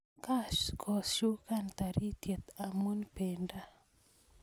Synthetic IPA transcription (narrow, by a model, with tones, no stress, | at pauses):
ka˦ʃkʰɔ˨sʃu˦ka˦nt̪a˨ɾi˦t̪je˨t̪a˨mu˦npe˨nda˦